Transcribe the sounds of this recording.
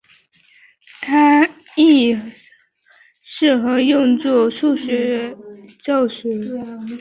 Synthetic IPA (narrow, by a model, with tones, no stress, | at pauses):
t̪ʰa˥ | i˥˩ | ʂɻ̩˥˩xɤ˧˥jʊ˥˧ŋt͡swɔ˥˧˩ʂu˥˩ɕɥɛ˧˥ | t͡ɕjɑ˥˩ʊɕɥɛ˧˥